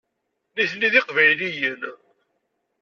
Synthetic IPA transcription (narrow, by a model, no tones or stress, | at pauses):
niθnːiðɪqvæjlijən